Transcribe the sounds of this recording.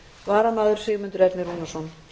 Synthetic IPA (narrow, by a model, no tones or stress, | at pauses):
vaːɾanːaːðʏɾ̥sɪːɣmʏnt̪ʏɾɛɾt̪nɪruːnasɔn